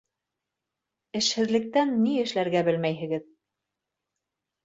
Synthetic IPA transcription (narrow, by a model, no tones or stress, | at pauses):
ɘ̆ʃhɘ̆ðlɘ̆k̚t̪ænːiɘ̆ʃlæɾɡæbɘlmæjɦɘ̆ɡɘð